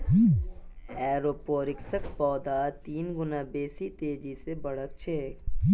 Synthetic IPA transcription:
ɛːɾoːpoːɾɪksəkpɔːd̪aːt̪iːnɡʊnabeːsit̪eːd͡ʒisebɐɽ̤ək̚t͡ʃʰeː

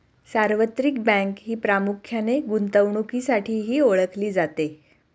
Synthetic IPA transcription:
saɾʋət̪ɾik̚bɛ̃ŋkɦiːpɾamukʰjaneɡunt̪əʋɳukiːsaʈʰiːɦiːoɭəkʰliːd͡zat̪e

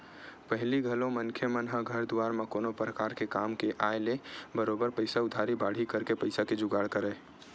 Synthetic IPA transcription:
pəɦliɡʱəlõmənkʰjəmənɦəɡʱəɾd̪ʊwaːɾmãkoːnopɾəkaːɾkekaːmkeʔaːelebəɾoːbəɾpəɪsaʊd̪ʱaːɾibaːɽ̤ikəɾkepəɪsaked͡ʒʊɡaːɽkəɾɛ

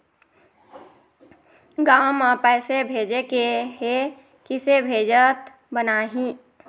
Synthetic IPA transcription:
ɡaːmapɛːsebʱeːd͡ʒekeɦe | kɪsebʱeːd͡ʒət̪ | bənaːɦĩ

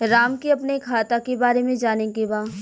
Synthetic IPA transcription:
ɾaːmkiɐpnekʰaːt̪akebaːɾemẽd͡ʒaːnẽkebaː

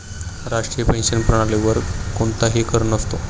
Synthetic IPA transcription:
ɾaʂʈɾiːjəpẽnɕənpɾəɽ̃aliʋəɾkoɳt̪aɦikəɾunəst̪o

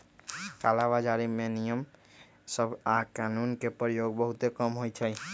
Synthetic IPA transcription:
kalaβad͡ʒaɾimenijəm | səbʱakanunkepɾjoɡbəɦut̪ekəmɦojt͡ʃʰə

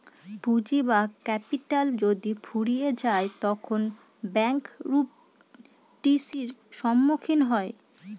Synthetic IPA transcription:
bʱud͡ʑibakɛpiʈald͡ʑod̪ifʰuɽijed͡ʑaet̪ɔkʰon | bɛŋkɾup̚ | ʈisiɾʃɔmːokʰinɦɔe

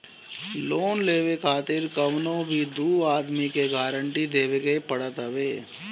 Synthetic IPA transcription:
loːnleːʋekʰaːt̪ɪɾkəʋnõbʱid̪uːaːd̪mikeɡaːɾəɳʈid̪eːʋeɡepəɽət̪ɦəʋeː

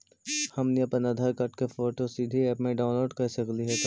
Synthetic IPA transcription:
hɐmniəpənɐd̪ʱaɾkɐɾʈkefoːʈosid̪ʱiɛːpmẽɖaːʊnloːɖkɐsɐkliɦɛ

